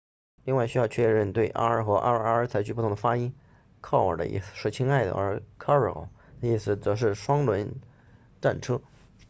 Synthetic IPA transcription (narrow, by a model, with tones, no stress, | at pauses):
li˥˧ŋwa˥˩ɪɕy˥jɑ˥˧ʊt͡ɕʰɥɛ˥˧ɻə˥˧nt̪we˥˩ɪʔa̰˥ə˞˥˧˩xɤ˧˥ʔa̰˥ə˞˧a˧˥ə˞˧˥t͡sʰa˧˥ɪt͡ɕʰy˧˥pu˥˩ʊ˧˥ə˧fa˥i˥n | kʰɑ˥˩ʊə̰˞˨˩də̰˧ʔḭ˥˩s̩˧˩ʂ̩˥˩t͡ɕʰi˥ŋa˥˩ɪd̪ə̰˧ə̰˞˧˥kʰa˥ə̰˞˨˩˧ | nə˧i˥˩sɹ̩˧˩t͡sɤ˧˥ʂ̬ɻ̩˥˩ʂwɑ˥ŋlwə˧˥n | ʈ͡ʂa˥˩nʈ͡ʂʰɤ˥